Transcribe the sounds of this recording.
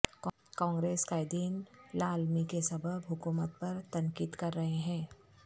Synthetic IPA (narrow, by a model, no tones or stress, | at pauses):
kɔ̃ːŋɡɾeːskaːɪd̪iːnlaːlmikesɐbʱəbɦʊkuːmət̪̚pɐɾt̪ɐ̃ŋkiːd̪kɐɾːɐɦeɦɛ̃ː